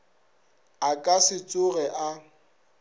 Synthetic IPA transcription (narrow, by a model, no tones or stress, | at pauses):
akʼasɪt͡sʼʊrɛʔa